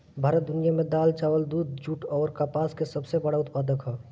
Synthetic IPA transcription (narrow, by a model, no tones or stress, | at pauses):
bʱaːɾət̪̚d̪ʊnijamẽd̪aːlt͡ʃaːʋəld̪uːd̪̚d͡ʒuʈɔːɾkapaːskesəbsebəɽaʊt̪paːd̪əkɦɛː